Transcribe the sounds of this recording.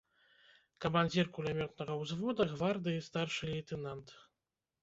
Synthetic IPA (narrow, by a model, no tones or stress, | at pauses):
kɐmanʲd͡zʲirkulʲɛmʲɔt̪nɐɣɐwzvɔd̪ɐɣvard̪ɨist̪arʂɨlʲijt̪ɛnant̪